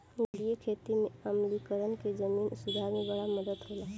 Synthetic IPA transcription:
nlijekʰeːt̪imẽəmlikəɾənked͡ʒəmiːnsʊd̪ʱaɾmebəɽaməd̪əd̪ɦolaː

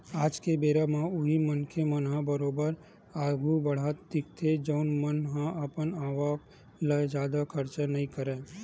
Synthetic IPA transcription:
aːd͡ʒkebeːɾamãʊɦimənkʰemənɦãbəɾoːbəɾ | aːɡubəɽ̤aːt̪d̪ɪk̚t̪ʰed͡ʒəʊnmənɦãʔəpənaːʋak | ləd͡ʒaːd̪akʰəɾt͡ʃanəĩkəɾẽː

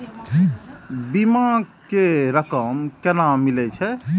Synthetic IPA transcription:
bimãkeɾəkəmkenamilɛt͡ʃʰɛ

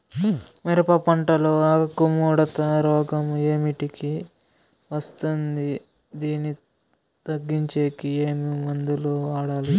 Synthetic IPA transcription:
mɛɾɐpɐpɐɳʈɐloːaːɐkumuːɽɐt̪ɐɾɔːɡɐme̞ːmiʈiki | ʋɐst̪und̪i | d̪iːnːi | t̪ɐɡːiɲt͡ʃe̞ːkieːmiʋɐnd̪uloːʋaːɽaːli

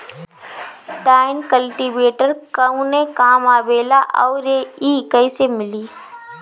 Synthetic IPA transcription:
ʈaːɪnkəlʈibeːʈəɾkəũnekaːmaːbeːlaʔɔːɾeiːkəɪsemɪliː

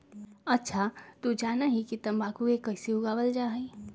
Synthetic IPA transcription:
ɐtːʃʰat̪ud͡ʒaːnaɦikit̪ɐ̃mbaːkuekɐɪsiɦuɡabəld͡ʒaːɦɛi

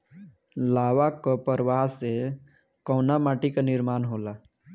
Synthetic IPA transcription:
laːwakɔpəɾwaɦse | kɔnamaːʈikanɪɾmaːnɦoːla

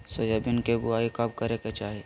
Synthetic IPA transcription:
sojɐbɪnkebʊaːikɐb̚kɐɾeket͡ʃaːɦe

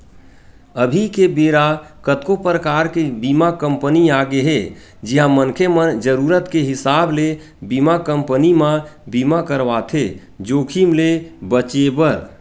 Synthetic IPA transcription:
əbʱikebeɾakət̪kopɾəkaɾkebimakəmpəniaɡeɦe | d͡ʒiɦãmənkʰemənd͡ʒəɾuɾət̪keɦɪsable | bimakəmpənimabimakəɾʋat̪ʰe | d͡ʒokʰimlebət͡ʃebəɾ

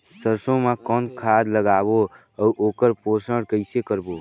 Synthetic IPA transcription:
səɾsõmekɔnkʰad̪ləɡabo | əʔoːkəɾposəɽkəɪsekəɾbo

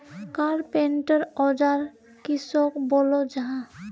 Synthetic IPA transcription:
kaɾpeɳʈəɾɔd͡ʒaɾ | kisɔkbolod͡ʒaɦã

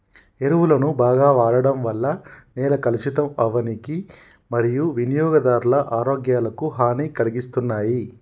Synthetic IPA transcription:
eɾuʋulɐnubaːɡaːʋaːɭɐɽɐmʋɐlːɐnɛːlɐkɐlit͡ʃit̪ɐmɐʋɐniki | mɐɾijuʋinijɔːɡɐd̪aːɾulɐʔaːɾoːɡjaːlɐkuɦaːniːkɐliɡist̪unːaːji

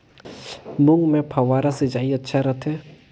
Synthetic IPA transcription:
mʊŋɡmẽpʰɐʋaːɾased͡ʒaːiɐtːʃʰaɾɐt̪ʰɦɛː

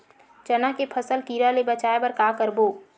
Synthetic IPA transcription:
t͡ʃɐnakepʰəsəlkiːɾalebɐt͡ʃaːebɐɾkaːkəɾboː

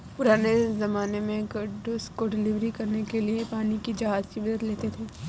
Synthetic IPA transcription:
pʊɾaːnezɐmaːnemẽɡɐɖoskoɖɪlɪʋɾikɐɾnekeliepaːnikid͡ʒɐɦaːzkibɐd̪ət̪leːt̪et̪ʰeː

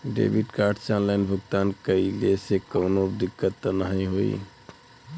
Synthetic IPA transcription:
ɖḛbiʈkaɾɖt͡ʃanlajnbʱək̚t̪ankəilesekənod̪ikːət̪ːənaɦĩɦoḭ

